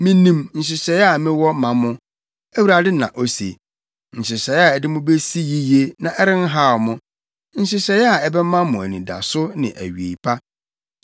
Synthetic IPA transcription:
mɪ̃˦nĩ˦mn̩˨ɕ̬ɪ˨ɕɛ˨ja˨mɪ̃˦wɔ˦mã˨mʊ̃˦ | æ˦wu˦ɾa˨dɪ˦nã̰˨ʔo˦sḛ˨ | n̩˨ɕɪ˨sɛ˨˦ja˨ɛ˨dɪ˦mʊ̃˦be˦si˦ji˦je˦nã˨ʔɛ˦ɾɪ̃˦n̩˦ɦa˦˨mʊ̃˦ | n̩˨ɕɪ˦ɕɛ˨ja˨ɛ˦bɛ˦mã˦mʊ̃˨æ˨nĩ˨da̰˨sʊ˦nɪ̰̃˨ʔæ˨ɥi˨ḛ˨pʰa˦

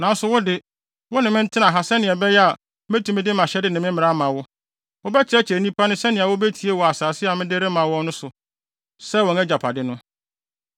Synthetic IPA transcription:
nã˨n˦sʊ˨wʊ˦dɪ˦ | wɔ˦nɪ̃˨mɪ̃˦n̩˦tʰɪ̃˦nã˨ɦa˨sɛ˦nɪ̃˨ɛ˨bɛ˦jɛ˦a˨ | mæ˦tʰũ˨mɪ̃˦dɪ˦mã˨ɕɛ˦dɪ˨nɪ̃˨mɪ̃˦m̩˦mɪ̃˨ɾa˦mã˨wʊ˦ | wʊ˦bɛ˦t͡ɕʰɪ˨ɾɛ˦t͡ɕʰɪ˨ɛ˨nĩ˦pʰa˦nʊ̃˦sɛ˦nɪ̃˨a˨wʊ˦bɛ˦tʰi˨e˦wɔ˨a˨saː˨sɪ˦a˨mɪ̃˦de˦ɾɪ˦mã˨˦wɔ̃˦nʊ̃˦sʊ˨ | sɛ˦wɔ̃˨nɛ˦d͡ʑa˨pʰa˨dɪ˦nʊ̃˦

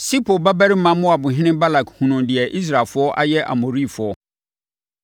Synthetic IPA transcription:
si˦pʰo˨ba˦bæ˦ɾɪ˦m̩˦mã˦mʊ̃˦a˨bʊ̃˨ɦɪ̃˦nɪ̃˦ba˦la˨khũ˨nʊ̃˨ndɪ˨ɛ˨ʔi˦s̬ɾa˨fʊ˦ɔ˦ʔa̰˦jɛ˦ʔa̰˨mo˨ɾi˦˨fʊ˨ɔ˦

